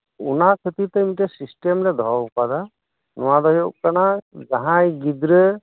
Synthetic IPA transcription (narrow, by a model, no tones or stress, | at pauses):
unakʰət̪it̪emitɛsisʈemlɛd̪ʱɔɔkad̪a | nɔwad̪ɔɦjɔʔ̚kanazaɦãjɡid̪ɾə